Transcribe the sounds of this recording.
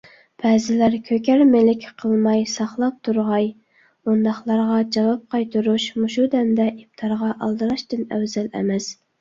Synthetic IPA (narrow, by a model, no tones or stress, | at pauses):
b̥ʰɛːzɪlæɾkʲʰøkʲʰæɾmelɪkʲʰqʰəlˠmɑjsɑχlˠɑp̚t̪ʰuɾʁɑj | und̪ɑχlˠɑɾʁɑd͡ʒɑwɑp̚qʰɑjt̪ʰuɾuʃmuʃud̪ɛmd̪ɛʔip̚t̪ʰɑɾʁɑʔɑlˠd̪ɨɾɑʃt̪ɨnæ̰wzælɛ̰mɛs